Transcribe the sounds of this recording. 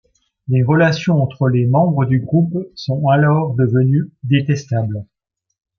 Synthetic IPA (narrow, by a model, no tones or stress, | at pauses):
leʁəlasjɔ̃ɑ̃t̪χəlemɑ̃bʁəd̪yɡʁupsɔ̃alɔʁd̪əvənyd̪et̪ɛst̪abl